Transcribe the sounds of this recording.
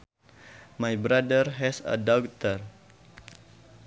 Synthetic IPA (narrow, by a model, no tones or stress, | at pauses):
majbɾadərɦɛsə̰dɔkt̪ər